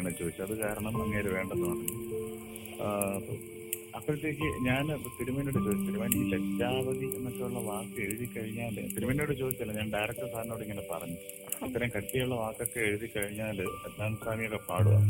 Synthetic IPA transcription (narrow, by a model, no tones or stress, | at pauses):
ɳet͡ɕːo̞ːd̪it͡ɕːuɐðɨkaːɾɐɳɐmɐŋːeːɾuʋe̞ːɳɖɐnːɨpɐrɐɲːu | ɐpːo̰ | ɐpːrɐt̪ːjok̬ʲːiɲaːnt̪iɾumɐnoːɽut͡ɕo̞ːd̪it͡ɕːiɾumɐniletːaːʋɐd̪ʱikʲːunːɐt̪ːuɭːɐʋaːkːɨeɻiðikʲːɐɻiɲːaːlɨ̰t̪iɾumɐnoɽɨt͡ɕo̞ːd̪it͡ɕːɐlːɐɲaːnɖɐjɾɐk̚ʈːɐsaːɾɐnoːɽiŋːɐnepɐ̰rɐɲːu | it̪ːɐɾɐmkɐʈːijɐjuɭːɐʋaːkːo̞kːeeɻiðikʲːɐɻiɲːaːlɨɐd̪maːnsaːmijɐɣːepaːɽuʋa̰